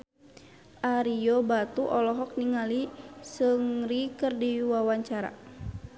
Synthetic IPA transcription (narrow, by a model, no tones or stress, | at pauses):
ʔaɾijɔbat̪uʔɔlɔɦɔk̚niŋalisəŋrikərdiwawaɲt͡ʃaɾa̰